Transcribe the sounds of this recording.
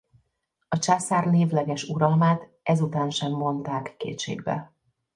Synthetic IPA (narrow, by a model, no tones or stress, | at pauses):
ɒt͡ʃasaːrneːvlɛɡɛʃuɾɒlmaːt̪ | ɛzut̪aːnʃɛmːo̞nt̪aːkːḛːt̪ʃḛːɡ̚bɛ̰